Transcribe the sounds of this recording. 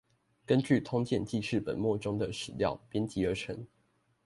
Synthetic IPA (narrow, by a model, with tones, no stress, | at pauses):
kə˦nt͡ɕy˥˨˩t̪ʰʊ˦ŋt͡ɕjɛ˥˧nt͡ɕi˥˧ʂʰɻ̩˥˩pə̰˨˩nmwɔ˥˨ʈ͡ʂʊ˦ŋd̪ə˨ʂɻ̩˨˩ljɑ˥˨ʊpjɛ˥˦nt͡ɕi˨˥ə˧˥ʈ͡ʂʰə˧˥˦ŋ